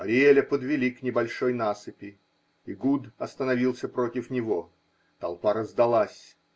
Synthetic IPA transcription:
ɐɾʲɪelʲəpəd̪vʲɪlʲiknʲɪbɐlʲʂo̞jnasɨpʲɪ | iɡud̪ɐst̪ənɐvʲilˠsʲəpɾo̞tʲɪfnʲɪvo̞ | t̪ɐlˠpaɾəzd̪ɐlˠasʲ

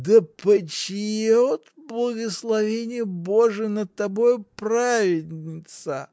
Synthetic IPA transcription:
d̪əpət͡ɕɪjeot̪blˠəɡəslˠɐvʲenʲɪjəbo̞ʐɨnəd̪̚t̪ːɐbo̞jʊpravʲɪdʲnʲnʲɪt̪sə

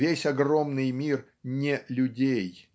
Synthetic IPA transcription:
esʲɐɡro̞mnɨjmʲir | nʲɪlʲʊdʲej

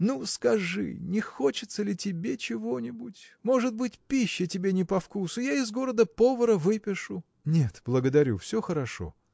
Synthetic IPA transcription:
nuskɐʐɨ̰nʲɪxo̞t͡ɕɪt̪səlʲɪtʲɪbʲe̞t͡ɕɪvonʲɪbutʲmo̞ʐɨt̪̚bɨtʲpʲiɕːɪtʲɪbʲenʲɪpɐfkusʊjaɪzɡo̞ɾəd̪əpo̞vəɾəvɨpʲɪʂʊ | nʲe̞t̪b̥lˠəɡəd̪ɐɾʲṵfsʲoxəɾɐʂo̰

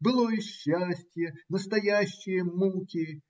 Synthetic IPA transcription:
bɨlˠoiɕːasʲtʲjənəst̪ɐjæɕːɪjəmukʲɪ

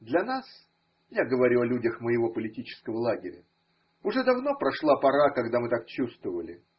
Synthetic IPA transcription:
d̪lʲɐnas | jaɡəvɐɾʲuɐlʲudʲəxməjɪvo̞pəlʲɪtʲit͡ɕɪ̥skəvəlˠaɡʲɪɾʲə̰ | ʊʐɛd̪ɐvno̞pɾɐʂlˠapɐɾakɐɡd̪amɨt̪akt͡ɕust̪vəvəlʲɪ

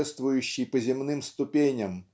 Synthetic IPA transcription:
ɛst̪vʊjʉɕːɪjpəzʲɪmnɨmst̪ʊpʲenʲɐm

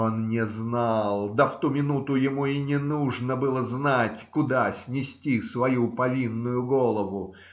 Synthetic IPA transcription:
onnʲɪznɑlˠd̪əft̪umʲɪnut̪ʊjɪmuinʲɪnuʐnəbɨlˠəznatʲkʊd̪asʲnʲɪsʲtʲisvɐjupɐvʲinːʊjʊɡolˠəvʊ

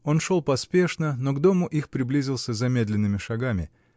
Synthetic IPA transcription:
o̞nʂo̞lˠpɐspʲe̞ʂnəno̞ɡd̪o̞mʊʔixpɾʲɪblʲizʲɪlˠsʲəzɐmʲe̞d̪lʲɪnːɨmʲɪʂɐɡamʲɪ̰

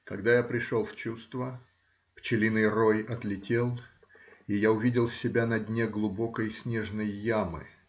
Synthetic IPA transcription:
kɐɡd̪ajapɾʲɪʂolˠft͡ɕust̪və | pt͡ɕɪlʲinɨjrojɐt̪lʲɪtʲe̞lˠ | ijaʊvʲidʲɪlˠsʲɪbʲanɐdʲnʲeɡlˠʊbo̞kəjsʲnʲe̞ʐnəjːamɨ̰

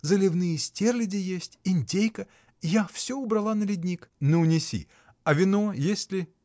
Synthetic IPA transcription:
zəlʲɪvnɨjəsʲtʲerlʲɪdʲɪjesʲtʲɪnʲtʲejkə | jafsʲoʊbɾɐlˠanəlʲɪdʲnʲiknəʊnʲɪsʲḭ | ɐvʲɪnojesʲtʲlʲɪ

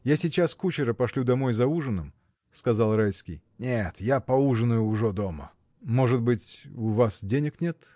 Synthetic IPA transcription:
jasʲɪt͡ɕaskut͡ɕɪɾəpɐʂlʲud̪ɐmo̞jzɐuʐɨnɨm | skɐzalˠɾajʲskʲɪ̰j | nʲet̪japɐuʐɨnəjʊːʐɛd̪omə̰ | mo̞ʐɨt̪̚bɨtʲʊvasdʲenʲɪknʲe̞t̪

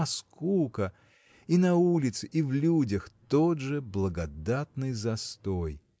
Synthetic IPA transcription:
ɐskukə | inɐulʲɪt̪sɨʔivlʲudʲəxt̪od̪ʐɨblˠəɡɐd̪at̪̚nɨjzɐst̪oj

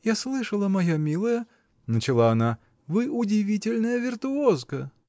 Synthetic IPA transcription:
jaslˠɨʂɐlˠɐmajamʲilˠɐjɐ | nɐt͡ʃɪlˠaːna | vɨʔud͡zʲivʲit͡sʲɪlʲnəjɐvʲirt̪uɔzkɐ

